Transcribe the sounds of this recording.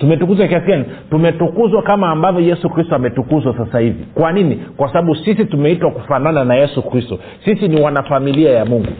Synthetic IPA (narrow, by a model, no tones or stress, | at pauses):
tumɛtukuzwakiasiani | tumɛtukuzwakamaːmbavjɔjɛsukɾistɔamɛtukuzwasasahivḭkwaninikwasaɓaɓusisitumɛitwakufanananajɛsukɾistɔ | sisiniwanafamiliajamuŋɡṵ